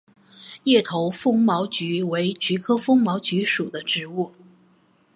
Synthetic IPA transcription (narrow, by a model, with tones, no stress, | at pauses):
jɛ˥˩t̪ʰo˧˥ʊfʊ˥ŋmɑ˧˥ʊt͡ɕy˧˥we˧˥ɪt͡ɕy˧˥kʰɤ˥fɤ˥ŋmɑ˧˥ʊt͡ɕy˧˥ʂu˨˩d̪ə˦ʈ͡ʂɻ̩˧˥u˥˩